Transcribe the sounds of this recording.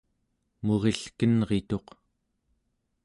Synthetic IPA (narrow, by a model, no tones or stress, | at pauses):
moʁe̞ɬkənʁe̞t̪o̞q